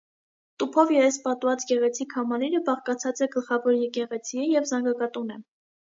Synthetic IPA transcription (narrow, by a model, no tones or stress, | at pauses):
t̪upʰɔvjɛɾɛspɑt̪vɑt͡sɡɛʁɛt͡sʰikʰɑmɑliɾəbɑχkɑt͡sʰɑt͡sɛɡəlχɑvɔɾjɛkɛʁɛt͡sʰiəjɛvzɑŋɡɑkɑt̪unɛ